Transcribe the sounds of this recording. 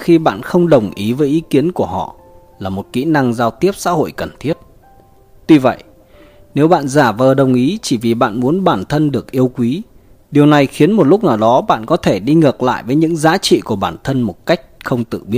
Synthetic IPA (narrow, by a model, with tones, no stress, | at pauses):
xi˧ɓa̰ː˧˨nxə˧wŋ͡mɗə˨˩wŋ͡mʔi˨˦vəː˨˦jʔi˨˦ki˨˦ənku˧˩əɦɔ̰˧˨ | laː˨˩mo˨˩t̚kḭ˧˥na˧ŋzaː˧wt̪i˦˥əp̚sa̰ː˧˥ho̰˧˨jkə˨˩nt̪ʰi˦˥ət̚ | t̪wi˧və̰˧˨j | ne˨˦wɓa̰ː˧˨nzaː˧˩vəː˨˩ɗə˨˩wŋ͡mʔi˨˦t͡ɕi˧˩vi˨˩ɓa̰ː˧˨nmu˨˦ənɓaː˧˩nt̪ʰə˧nɗɨ˨˩ək̚ʔi˧əwkwi˨˦ | ɗi˨˩əwna˨˩jxi˨˦ənmo˨˩t̚lʊ˦˥k͡p̚naː˨˩wɗɔ˨˦ɓa̰ː˧˨nkɔ˨˦t̪ʰe˧˩ɗi˧ŋɨ˨˩k̚la̰ː˧˨jvəː˨˦jɲɨ̰˧˥ŋzaː˨˦t͡ɕḭ˧˨ku˧˩əɓaː˧˩nt̪ʰə˧nmo˨˩t̚ka˦˥jk̟̚xə˧wŋ͡mt̪ɨ̰˧˨ɓi˦˥ət̚